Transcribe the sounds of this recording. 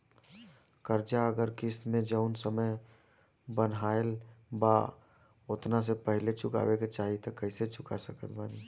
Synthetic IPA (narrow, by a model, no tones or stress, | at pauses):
kəɾd͡ʒaəɡəɾkist̪mẽd͡ʒəʊnsəməj | bənɦaelba | ot̪nas̬epəɦɪlet͡ʃʊka̰weket͡ʃaːɦit̪ɔkəɪset͡ʃʰʊkasəkət̪bani